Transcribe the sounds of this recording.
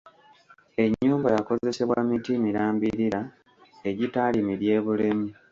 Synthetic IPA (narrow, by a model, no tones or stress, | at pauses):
e̞ɲːuːmbajako̞ze̞se̞βwa̰mitimiɾaːmbiɾiɾa | e̞ɟitalimiɾje̞ːβule̞mi